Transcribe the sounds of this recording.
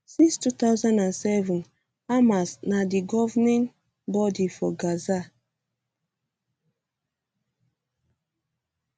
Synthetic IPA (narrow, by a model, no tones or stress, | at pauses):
sĩnstut̪awzãndãnsɛvũn | amasnadiɡɔvnɛ̃n | bɔdifɔɡaza